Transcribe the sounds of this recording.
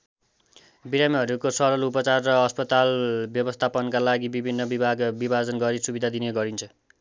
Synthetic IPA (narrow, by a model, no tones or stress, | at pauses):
biɾamiɦʌɾukosʌɾʌlupʌt͡sarːʌʌspʌt̪albjʌbʌst̪ʰapʌnkalaɡibibʱinːʌbibʱaɡbibʱad͡zʌnɡʌɾisubid̪ʱad̪ineɡʌɾint͡sʰʌ